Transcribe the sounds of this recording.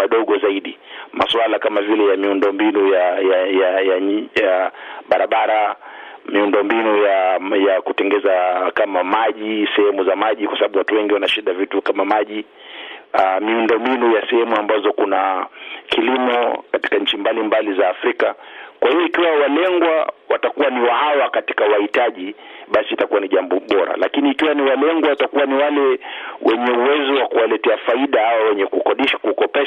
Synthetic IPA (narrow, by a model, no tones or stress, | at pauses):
maɗɔɠɔzaiɗimaswalakamavilɛjamiundɔmbinujajajajajaɓaɾaɓaɾamiundɔmbinujajakutɛŋɡɛzakamamaʄisɛhɛmuzamaʄikwasaɓaɓuwatuwɛŋɡiwanaʃiɗavitukamamaʄi | amiundɔmbinujasɛhɛmuambazɔkunakʰilimɔkati̥kaɲ̩t͡ʃimbalimbalizaːfɾikakwʔahijɔikiwawalɛŋɡwawatakuwaniwahawakati̥kawahitaʄiɓasiːtakuwaniʄambɔɓɔɾa̰lakiniːkiwaniwalɛŋɡwawatakuwaniwalɛwʔɛɲɛuwɛzɔwakuwalɛtɛafaiɗaawawɛɲɛkukɔɗiʃḁkukɔpɛ